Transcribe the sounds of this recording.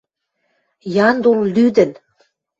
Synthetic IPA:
jɑnd̪ollyd̪ə̆n

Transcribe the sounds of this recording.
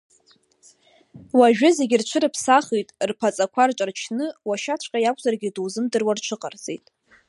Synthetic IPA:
waʒᶣʊze̞ɡʲɪrt͡ʃʷʰɨɾɨpʰsaχijtʼrpʰat͡sʼakʷʰart͡ʃʷʼart͡ʃʰnɨwaʃat͡ʃʷʰʼqʲʼajakʷʰʼzarɡʲɪduwzɨmdɨrwart͡ʃʷʰɨqʼart͡sʼḛjtʼ

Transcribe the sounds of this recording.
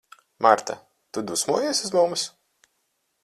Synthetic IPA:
maɾt̪a̰ | t̪ud̪usmuɔjesʲuzmums

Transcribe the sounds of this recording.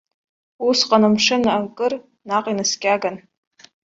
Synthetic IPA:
usqʼanamʂɨnaakʼɨr | naqʼinɨskʲʼaɡan

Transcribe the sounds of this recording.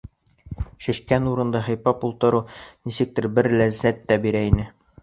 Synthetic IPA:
ʃɘ̆ʃkænuɾɤ̆nd̪ɑɦɤ̆jpɑpulˠt̪ɤ̆ɾunisɘk̚t̪ɘɾbɘɾlæzːæt̪ːæbiɾæinɘ

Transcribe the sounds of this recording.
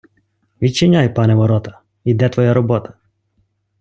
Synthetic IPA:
ʋʲit͡ʃɛnʲajpɑnɛʋɔɾɔt̪ɐ | id̪ɛt̪ʋɔjaɾɔbɔt̪ɐ̥

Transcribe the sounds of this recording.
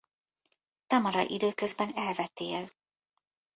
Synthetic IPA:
t̪ɒmɒɾɒ̰ʔid̪øːkøzbɛnɛlvɛt̪eːl

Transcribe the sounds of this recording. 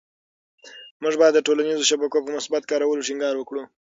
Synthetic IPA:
mʊʐbɑjad̪ːəʈolanizoʃabakopəmʊsbat̪kɑɾawəloʈɪŋɡɑɾwəkɽu

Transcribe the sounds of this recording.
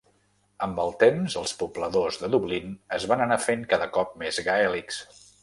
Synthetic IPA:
əmbəlˠt̪emzəlˠspubləðozðəðuβlinəzβanənafeŋkaðəkɔp̚mezɣaɛliks

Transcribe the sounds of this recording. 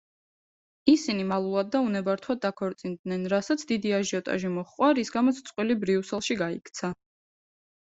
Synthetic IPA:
isinimalˠulˠad̪̚ːaunɛbaɾt̪ʰwad̪̚d̪ːakʰɔɾt̪sʼind̪nɛnɾasat̪sʰd̪id̪iaʒiɔt̪ʼa̰ʒimɔχqʼwaɾisɡamɔt̪sʰt̪sʼqʼwilibɾiusɛlˠʃiɡaikʰt̪sʰa

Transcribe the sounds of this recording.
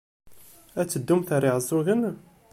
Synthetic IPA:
æt͡sːəd̪ːumθəɾiʕəzˤːuɣən

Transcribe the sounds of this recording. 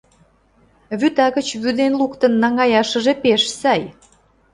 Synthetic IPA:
βyt̪ɑɣə̆t͡ɕβyd̪enlukt̪ə̆nːɑŋɑjɑʃə̆ʒepeʃsɑj

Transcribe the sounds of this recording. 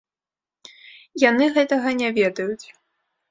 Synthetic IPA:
janɨɣɛt̪ɐɣɐnʲavʲɛd̪ɐjut͡sʲ

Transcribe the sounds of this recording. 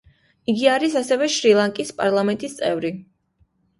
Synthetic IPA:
iɡiaɾisasɛvɛʃɾilˠaŋkʼispʼaɾlˠamɛnt̪ʼist̪sʼɛvɾi

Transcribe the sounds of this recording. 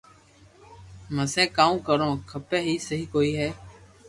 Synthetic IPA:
məsɛ̃ːkaːũːkəɾõːkʰəpeːɦiːsəɦiːkoːiːɦɛː

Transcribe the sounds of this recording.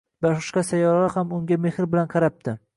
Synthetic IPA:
bɒʃqɨ̥ʃqɑsajɒɾalahamʊŋɡʲamehɾbɪlanqʰɑɾap̚t̪ɪ

